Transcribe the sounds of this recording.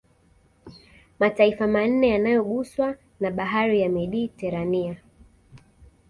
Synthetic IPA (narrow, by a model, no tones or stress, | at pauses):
mataifaman̩nɛjanajɔɠuswa | naɓaɦaɾijamɛɗiːtɛɾania